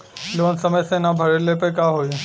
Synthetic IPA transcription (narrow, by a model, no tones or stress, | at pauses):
loːnsɐməjsẽnãbʱɐɾelepekaːɦoːi